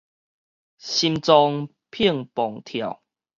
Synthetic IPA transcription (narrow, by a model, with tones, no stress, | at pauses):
ɕi˧mt͡sɔ˧ŋ | pʰi˥˧əŋpɔ˨˩ŋt̪ʰja˨˩w